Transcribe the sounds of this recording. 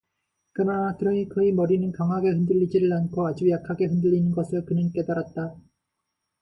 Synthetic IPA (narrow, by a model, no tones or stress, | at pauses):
kɯnakɯɾʌikɯemʌɾinɯnkaŋɦaɡe̞ɦɯndɯʎːid͡ʑiɾɯɭankʰoad͡ʑujakʰaɡe̞ɦɯndɯɭːinɯnɡʌsʰɯɭkɯnɯnk͈e̞daɾat̚t͈a